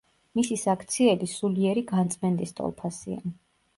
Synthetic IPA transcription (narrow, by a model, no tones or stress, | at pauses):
misisakʰt̪sʰiɛlisuliɛɾiɡant̪sʼmɛnd̪ist̪ʼɔ̰lˠpʰasḭa̰